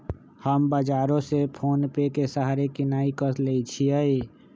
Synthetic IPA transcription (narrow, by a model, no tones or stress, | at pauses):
həmbəd͡ʒaːɾõsepʰoːnpekesəɦaɾekɪnaːikəsleit͡ʃʰiəi